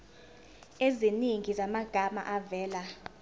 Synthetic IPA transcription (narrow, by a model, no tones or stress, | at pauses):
eziniŋɡʱizamaɡ̥ʱama̰ʔavɛːla